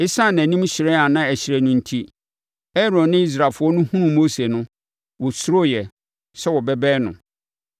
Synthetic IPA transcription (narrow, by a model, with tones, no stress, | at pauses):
ɪ˦sa˦˨n˨æ̃˨nĩ˦m˦ɕɪ˨ɾɛ˦a˨nã˦æ˨ɕɪ˨ɾɛ˨nʊ̃˦n̩˦tʰi˦ | ɛ˦ɾɔ̃˨nːɪ̃˦i˦s̬ɾa˨fʊ˦ɔ˦nʊ̃˦hũ˦ɾũ˨mo˦se˨nʊ̃˦ | wɔ˨sʊ˦ɾo˦˨jɛ˨ | sɛ˦wɔ˨bɛ˦bɛː˦nʊ̰̃˨